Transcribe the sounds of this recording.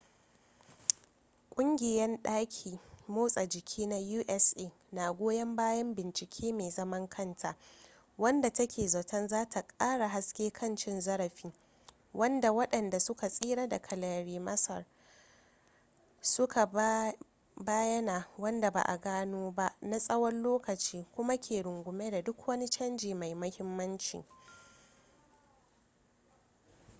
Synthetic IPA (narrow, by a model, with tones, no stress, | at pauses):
kʷʼʊ˦ŋɡʲɪ˨jɛ˦nɗaː˦kʲʰiː˨moː˦sʼa˨d͡ʒɪ˨kʲʰiː˦na˦juː˦ʔɛ˦sʔeː˦˨ | na˨ɡʷoː˦jɐ˦mbaː˦jɐ˦mbɪ˨nt͡ʃɪ˨kʲʰeː˦meː˨zɐ˦mɐ˦ŋkʰɐ˦ntʰa˨ | wɐ˦nda˨tɐ˦kʲeː˨zɐ˨tɐ˦nzaː˦tʰa˨kʼaː˦ɽa˨ɦa˦skʲeː˦kʰɐ˦˨nt͡ʃɪ˦nzɐ˦ɽɐ˨ɸiː˦ | wʔɐ˦nda˨wɐ˦ɗɐ˨nda˨sʊ˦ka˨sʼiː˦ɽa˦da˨kʰɐ˨laː˨ɽiː˨mɐ˦sɐ̰˨r | sʊ˦ka˨ | baː˦jɐ˦naː˨wɐ˦nda˨ba̰˨ʔa̰˨ɡaː˦noː˦ba˦ʔna˦sʼɐ˦wɐ˦nloː˦kɐ˨t͡ʃiː˦kʷʊ˦ma˦kʲʰeː˨ɽʊ˨ŋɡʷʊ˨me˦da˨dʊ˦kwɐ˦ni˦t͡ʃɐ˦nd͡ʒiː˨ma˨jmɐ˦hɪ˦mːɐ˦nt͡ʃḭː˨